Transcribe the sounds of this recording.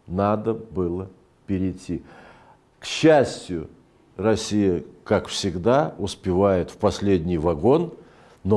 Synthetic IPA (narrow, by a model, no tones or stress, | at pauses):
nad̪əbɨlˠə | pʲɪɾʲɪtʲːi | kɕːæsʲtʲjʊ | rɐsʲijəkakfsʲɪɡd̪aʊspʲɪvajɪt̪fpɐsʲlʲedʲnʲɪjvɐɡo̞nː | o